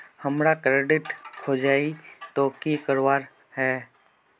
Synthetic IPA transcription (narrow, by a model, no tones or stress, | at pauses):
həmɾakɾeːɖɪʈkʰoːd͡ʒaːit̪oːkiːkəɾʋaːɾ | ɦɛː